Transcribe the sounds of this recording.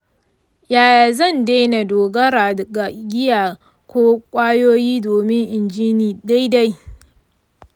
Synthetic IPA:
jaː˨jaː˨zɐ˦˨ndeː˦na˨doː˨ɡɐ˦ɾaː˨dɡa˨ɡʲɪ˦jaː˨ | kʷʰoː˦kʷʼaː˦joː˦jiː˦doː˨mɪ˦ŋʔɪ˨nd͡ʒiː˦niː˨ɗa˦jda˦j

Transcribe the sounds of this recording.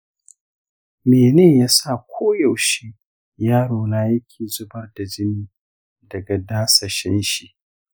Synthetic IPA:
meː˨neː˦˨jaː˦sa˦˨kʷʰoː˦ja˨wʃɪ˦ŋ | jaː˦ɽoː˨naː˦jɐ˦kʲʰeː˨zʊ˦bɐ˦rda˨d͡ʒɪ˦niː˦ | dɐ˨ɡa˨daː˦sɐ˨ʃɪ˦nʃi˨ʔ

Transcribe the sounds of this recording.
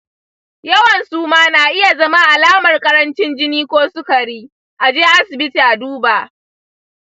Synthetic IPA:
jɐ˦wɐ˨nsuː˦maː˦naː˨ʔɪ˦ja˨zɐ˦ma˦ʔa˨laː˦mɐ˨rkʼɐ˦ɾɐ˦nt͡ʃɪ˦nd͡ʒɪ˦niː˦kʷoː˦sʊ˦kɐ˨ɽiː˦ | ʔa˨d͡ʒɪ˦ŋʔa˦sɪ˨bɪ˦ti˨ʔa˨duː˦baː˨ʔ

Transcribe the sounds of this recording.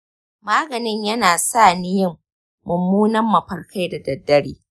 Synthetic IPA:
maː˦ɡɐ˨nɪ˦ɲjɐ˦naː˨saː˦˨nɪ˦jɪ˦ŋ | mʊ˨mːuː˦nɐ˦mːɐ˨ɸɐ˨rka˦jda˨dɐ˨dːɐ˦ɽiː˦

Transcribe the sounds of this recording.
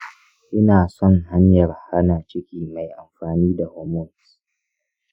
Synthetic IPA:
ʔɪ˦naː˨sɔ˦˨ŋɦa˦ɲjɐ˨rha˦naː˨t͡ʃɪ˦kʲiː˦ma˨jʔa˨mɸaː˨niː˦da˨hɔː˨mɔ˦n˨s

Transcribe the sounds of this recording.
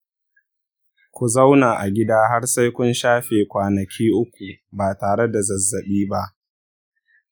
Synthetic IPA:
kʷu˨za˦wnaː˨ʔa˨ɡʲɪ˦daː˦ɦa˦ɽsa˦jkʷʊ˦nʃaː˦ɸeː˨kʷaː˨nɐ˨kʲʰiː˦ʔʊ˦kʷu˨baː˨taː˨ɽe˦da˨zɐ˨zːɐ˨ɓiː˦ba˦ʔ

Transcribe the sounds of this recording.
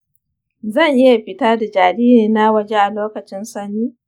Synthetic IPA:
zɐ˦˨ɲʔɪ˦ja˨ɸɪ˦taː˦da˨d͡ʒaː˨ɽiː˦niː˨na˦wɐ˨d͡ʒe˦ʔa˨loː˦kɐ˨t͡ʃɪ˦nsɐ˦niː˦

